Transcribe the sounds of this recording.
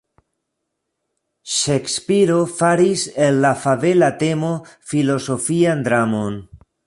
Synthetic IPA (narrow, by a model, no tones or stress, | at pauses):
ʃekspiɾo̞faɾise̞nːafave̞late̞mo̞filo̞so̞fiandɾamo̞n